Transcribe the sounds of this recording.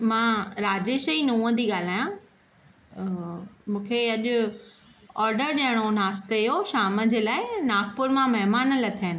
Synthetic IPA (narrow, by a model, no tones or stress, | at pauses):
mãːɾaːd͡ʑeːʃəinũːə̃d̪iɠaːl̤aːjã | mũːkʰeɐʄʊ | ɔːɾɖəɾɗiəɽ̃onaːst̪ejoʃaːməd͡ʑeːlaːɪnaːkpʊɾmãmɐɦmaːnlɐt̪ʰiənɪ̆